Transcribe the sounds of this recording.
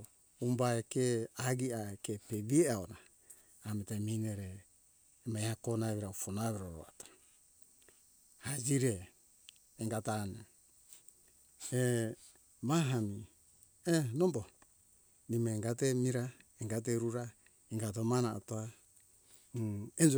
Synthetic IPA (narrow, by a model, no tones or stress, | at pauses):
umbaekeaɡiaekepeβieaonaː | metamineɾeː | majhakonaβiɾaufonaβeɾoɾo̰atḁ | had͡ʒiɾeː | ŋɡatane | e | maɦami | enombo | nimeːŋɡatemiɾaeŋɡat̬eɾuɾa | iŋɡat̬omanaotoa | end͡ʒ